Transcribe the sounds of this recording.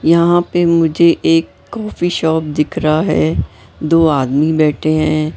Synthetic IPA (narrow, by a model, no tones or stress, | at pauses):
jɐɦãpemʊd͡ʒʱeʔeːkːɔːfiʃɔːp̚d̪ɪkʰɾaɦɛ̰ː | d̪oːaːd̪mibɛːʈʰeɦɛ̃ː